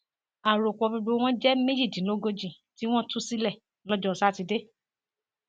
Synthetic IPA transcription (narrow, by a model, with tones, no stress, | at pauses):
a˨ɾo˨kɔ˧bu˧ɡ͡bo˧˦w̃ɔ̃˦d͡ʒɛ˦mẽ˦d͡ʒi˦˨dĩ˨˦lo˦ɡo˧d͡ʒĩ˦˨ | ti˦w̃ɔ̃˦tũ˦si˦lɛ˦˨ | lɔ˦d͡ʒɔ˦˧˨sa˦ti˧de˦